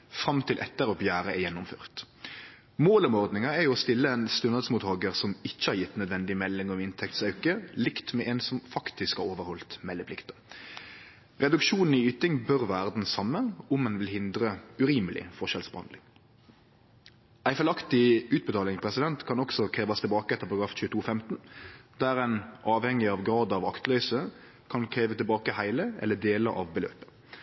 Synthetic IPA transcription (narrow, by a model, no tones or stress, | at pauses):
fɾɑmt̪ʰɪlʔɛ̰t̪ːəɾɔbjæːɾəɛjɛnːʊmfø̰ːʁt̪ | moːlɔmɔʁd̪nɪŋɑɛɾjʊɔst̪ɪlːəɛnst̪ʉnəd̪smuːt̪hɑːɡəʁsɔmɪçːəhɑɾjɪt̪ːnœd̪ʋɛnd̪ɪmɛlːɪŋɔmɪnt̪ʰɛkt̪sɑʉkəlɪkt̪mɛʔɛnsɔmfɑkt̪ɪskhɑɾoːʋəɾhɔlt̪mɛlːəpʰlɪkt̪ə | ʁɛd̪ʉkʃuːnn̩iyːt̪ɪŋbœʁʋæːʁd̪n̩sɑmːənʊmɛnʋɪlhɪnd̪ɾəʉɾiːməlɪ̰fɔʃɛlsbəhɑnd̪lɪ̰ŋ | æɪfɛlɑkt̪ɪʉːt̪̚bət̪ɑːlɪŋpʰʁɛsɪd̪ɛnt̪kʰɑnɔksɔkʰʁeːʋɑst̪ʰɪlbɑːkəɛt̪əpʰɑɾɑɡɾɑːfçʉːət̪ʰuːfɛmt̪nd̪̥æɾɛnʔɑːʋhɛŋːɪɑʋɡɾɑːd̪ɑʋɑ̰kt̪lœʏsə | kʰɑnkʰɾeːʋət̪ɪlbɑːkəhæɪləɛ̰lːəd̪eːlə̰ʔɑ̰ʋbəlø̰ːpə̥